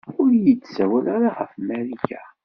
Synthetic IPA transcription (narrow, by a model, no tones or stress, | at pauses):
ʊɾjəd̪sæwælaɾaʁəfmæɾiçæ